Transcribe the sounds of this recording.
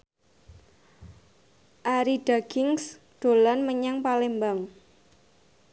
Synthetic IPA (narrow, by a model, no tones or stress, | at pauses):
ʔaɾiɖ̥aɡ̥ɪŋs | d̥o̤lanməɲaŋpalembaŋ